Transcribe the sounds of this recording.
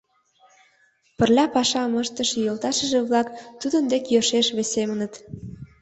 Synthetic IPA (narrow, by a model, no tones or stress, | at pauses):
pə̆rlʲɑpɑʃɑməʃt̪ə̆ʃjolˠt̪ɑʃə̆ʒĕβlɑkt̪ud̪ə̆nd̪ekjøʃeʃβesemə̆nə̆t̪